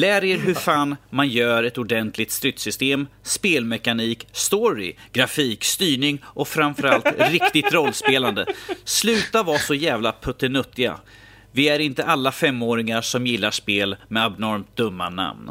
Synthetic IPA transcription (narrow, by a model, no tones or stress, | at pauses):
læːɾeːɾɦɵɾfaːnmanjœːɾɛt̪ʊɖɛnt̪ʰlɪk̚t̪st̪ɾʏt̪sʏst̪eːmspeːlmɛkaniːkst̪ɔɾɪ̰ɡ̥ɾafiːkst̪yːɳɪŋʔɔfɾanfœɾalt̪ɾɪkt̪ɪt̪ɾɔlːspeːland̪əslʉ̟ːt̪avɑːsɔjæːvlapʰɵt̪ːənɵt̪ːɪɡa̰ | vɪæɾɪnt̪əʔalːafɛmːoːɾɪŋaʂɔmjɪlːaʂpeːlmɛabnɔɾmt̪̚d̪ɵmːa̰na̰mn